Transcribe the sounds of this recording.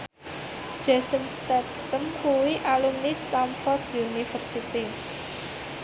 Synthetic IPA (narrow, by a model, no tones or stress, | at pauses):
d͡ʒ̥a̤sənst̪ɛ | t̪əmkuwiʔalumnist̪amfɔrd̪iunifərsit̪i